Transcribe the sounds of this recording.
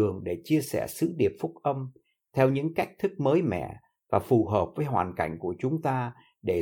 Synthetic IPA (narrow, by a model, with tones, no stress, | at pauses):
ɨ˨˩əŋɗe˧˩t͡ɕi˧əsɛ̰˧˩sɨ̰˧˥ɗi˨˩əp̚fʊ˦˥k̚ʔə˧m | t̪ʰɛ˧wɲɨ̰˧˥ŋka˦˥jk̚t̪ʰɨ˦˥k̚məː˨˦jmɛ̰˧˨ | vaː˨˩fu˨˩ɦəː˨˩p̚vəː˨˦jɦwa̰ː˨˩nka˧˩jŋ̟ku˧˩ət͡ɕʊ˨˦ŋ͡mt̪aː˧ | ɗe˧˩